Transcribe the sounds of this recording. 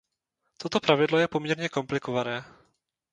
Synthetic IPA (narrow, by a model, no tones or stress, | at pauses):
t̪o̞t̪o̞pɾavɪdlo̞jɛpo̞mɲɛɾɲɛko̞mplɪko̞vanɛː